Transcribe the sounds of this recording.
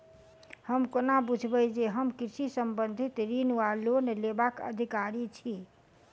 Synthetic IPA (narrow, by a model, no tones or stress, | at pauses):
həmkonabud͡ʒʱbəd͡ʒeɦəmkiɾsisəmbənd̪ʱit̪ɾinualonlebakə̰d̪ʱikaɾit͡ʃʰi